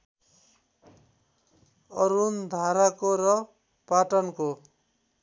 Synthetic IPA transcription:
ʌɾund̪ʱaɾakoɾʌ | paʈʌnko

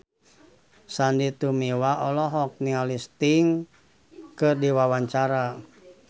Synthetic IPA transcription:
sandit̪umiwaʔɔlɔɦɔk̚nialist̪iŋ | kɨrdiwawaɲt͡ʃaɾa

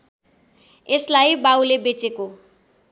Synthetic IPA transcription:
eslajbawlebet͡seko

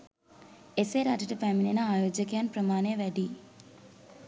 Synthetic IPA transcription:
eseːɾaːd͡ʒɐʈɐpaːmilenɐaːjoːd͡ʒɐkjaːnpɾɐmaːneːʋɐɖi

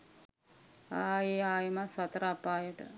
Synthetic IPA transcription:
aːeːaːjəmasɐt̪əɾapaːjəʈə̰

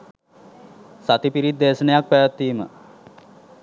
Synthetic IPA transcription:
sat̪ipiɾit̪ːeːsənəjak̚pæjat̪ːiːmə̰

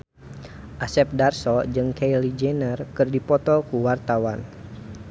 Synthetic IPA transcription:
ʔasɛp̚darsɔd͡ʒɨŋkʰejlid͡ʒɛnərkɨrdipɔt̪ɔkuwart̪awan

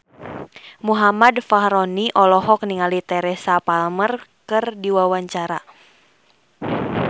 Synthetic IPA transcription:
muɦamadfahɾɔniʔɔlɔɦɔk̚niŋalit̪ɛɾɛsapalmərkɨrdiwawaɲt͡ʃaɾa

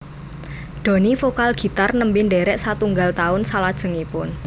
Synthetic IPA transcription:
ɖ̪̥o̤nifokalɡ̥i̤t̪arnəmbɪnɖeɾɛʔsat̪uŋɡalt̪aʊnsalad̥ʒ̥ə̤ŋipʊn

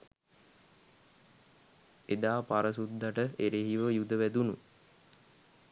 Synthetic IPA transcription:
ed̪aːpaɾəsud̪ːaʈəeɾeɦiʋəjud̪əʋæd̪unu

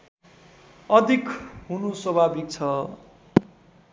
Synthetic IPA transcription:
ʌd̪ʱikɦunusʌbʱabit̪̚t͡sʰʌ

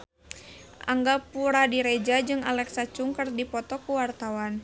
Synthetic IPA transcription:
ʔa̰ŋɡapuɾadiɾɛd͡ʒad͡ʒɨŋalɛksat͡ʃuŋkərdipɔt̪ɔkuwart̪awan

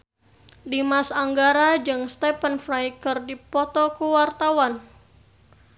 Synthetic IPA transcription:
dimasaŋɡaɾad͡ʒɨŋst̪ɛpənfɾajkərdipɔt̪ɔkuwart̪awan

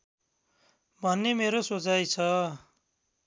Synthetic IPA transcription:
bʱʌnːemeɾosod͡zajt͡sʰʌ

